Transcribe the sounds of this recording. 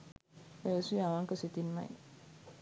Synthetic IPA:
esuaʋaŋkəsit̪inma̰j

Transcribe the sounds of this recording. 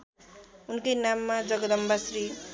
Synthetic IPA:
unkʌjnamːad͡zʌɡʌd̪ʌmbasɾi

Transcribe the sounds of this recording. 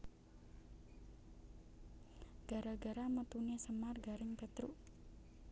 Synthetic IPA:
ɡ̥a̤ɾaɡa̤ɾamət̪unesəmarɡaɾɪŋpet̪ɾu

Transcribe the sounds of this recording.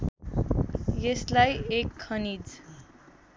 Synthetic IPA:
jeslajekʰːʌnid͡z

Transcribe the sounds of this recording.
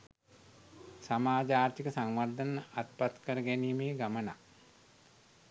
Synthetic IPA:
samaːd͡ʒaːrt̪ikəsaŋʋard̪ənəʔat̪pat̪kəɾəɡænimeːɡaməna̰

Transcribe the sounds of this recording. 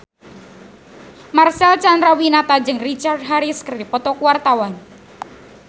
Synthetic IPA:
marsɛlt͡ʃand̪ɾawinat̪ad͡ʒɨŋrit͡ʃard̪̚ɦaɾiskərdipɔt̪ɔkuwart̪awan

